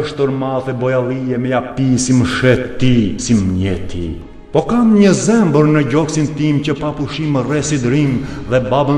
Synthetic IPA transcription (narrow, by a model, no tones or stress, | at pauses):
ʃt̪əɾmaðɛbɔjalˠiɛmɛjapisiməʃɛt̪t̪ːisimɲɛt̪ʰḭ | pɔkanɲəzɛmbəɾnəɟɔksint̪imcəpapuʃimərɛsid̪ɾimðɛbabə